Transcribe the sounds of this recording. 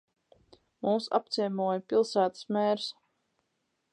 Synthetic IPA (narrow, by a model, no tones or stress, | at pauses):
mumsa̰p̚t̪siɛmuɔjapʲilˠsæːt̪ə̥smɛːɾs